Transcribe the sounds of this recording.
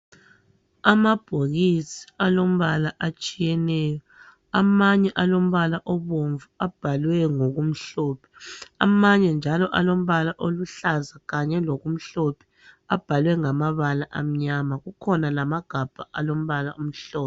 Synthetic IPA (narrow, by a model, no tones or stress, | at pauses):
amab̥ʱoɣisi̥alom̩βalaʔat͡ʃʼijɛnɛːjɔ | amaɲɛʔalom̩βalaʔɔβoɱvuab̥ʱalwɛŋoɣum̩ɬoːpʰɛ̥a̰maɲɛnd͡ʒʱalɔʔalom̩βalaʔoluɬazaɣaɲɛloɣum̩ɬopʰɛ̥ | ab̥ʱalwɛŋamaβalaʔam̩ɲamaɣukʰɔnalamaɡ̥ʱab̥ʱaʔalom̩βalaʔum̩ɬɔːp